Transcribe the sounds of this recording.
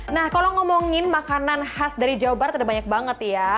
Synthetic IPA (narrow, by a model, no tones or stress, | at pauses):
nahkalaŋɔmɔŋɪnmakananhasdaɾid͡ʒawobaɾt̪adabaɲak̚baŋət̪ja